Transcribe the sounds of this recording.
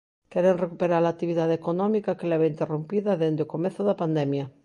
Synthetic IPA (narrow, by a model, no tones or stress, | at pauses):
keɾenrekupeɾaɾlaːt̪iβ̞iðaðekonɔmikakelɛβeint̪erompiðaðend̪eokomeθoðapand̪emja